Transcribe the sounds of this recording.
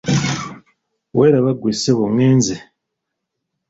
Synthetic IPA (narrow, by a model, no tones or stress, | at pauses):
weɾaβaɡweːseβomweːnze